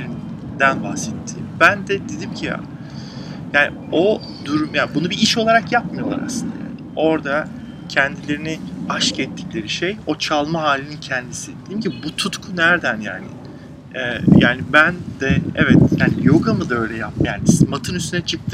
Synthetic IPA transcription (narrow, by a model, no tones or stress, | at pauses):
ɾin | d̪ænbahsɛt̪ʰːiːmbænd̪ɛd̪ed̪imcʰija̰ | jaːni | o̞ | d̪yɾmjaːnbunubiiʃo̞lˠaɾakjap̚majo̞lˠa̰ɾa̰slˠɯnd̪aja̰ | ʔo̞ɾd̪a | cʰɛnd̪ilʲe̞ɾiniaʃkɛt̪ʰːi̥clʲe̞ɾiʃejo̞t͡ʃʰalˠmaɦaːlʲinincʰɛnd̪isid̪ejimcibut̪ʰut̪kʰunæɾd̪ænja̰ːnḭ | ɛjaːnibænd̪ɛɛvɛt̪jaːnijo̞ɡamɯd̪aø̞jlʲɛjap̚mjaːnismat̪ʰɯnyst̪ynɛt͡ʃʰɯk̚t̪ʰɯ